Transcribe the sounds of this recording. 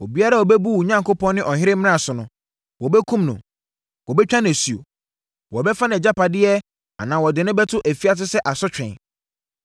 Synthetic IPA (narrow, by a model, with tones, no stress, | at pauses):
wɔ˨bi˦a˦ɾa˦wɔ˨bɛ˦bu˦u˨ɲã˦ŋkʰo˦pʰɔ̃˦nnɪ̃˦ʔɔ˨ɦɪ˦ɾɪ˦m̃˦a˨sʊ˨nʊ̃˨ | wɔ˨bɛ˦kʰũ˦mnʊ̰̃˨ | wɔ˨bɛ˦t͡ɕᶣã˦n˨æ˨si˨o̰˨ | wɔ˨bɛ˦fã˦n˨ɛ˨d͡ʑa˦pa˨dɪ˦ɛ˦ | a̰˨nãː˨wɔ˨dɪ˨nʊ̃˦bɛ˦tʰʊ˦ʔæ˨fi˦a˨t̬ɪ˦sɛ˦ʔa˨sɔ˦t͡ɕᶣɛ̰̃˨n